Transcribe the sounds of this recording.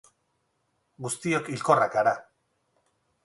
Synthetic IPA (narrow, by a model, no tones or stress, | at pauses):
ɡust̪io̞kilko̞rakaɾa